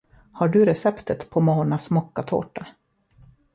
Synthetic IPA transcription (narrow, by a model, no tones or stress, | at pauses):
haɖɵɾɛsɛpt̪ʰət̪pʰɔmoːnasmɔkːat̪ʰo̰ːʈa